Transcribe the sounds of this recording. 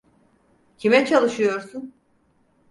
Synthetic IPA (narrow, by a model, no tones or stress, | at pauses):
cʰimɛt͡ʃʰalˠɯʃɯjo̞ɾsun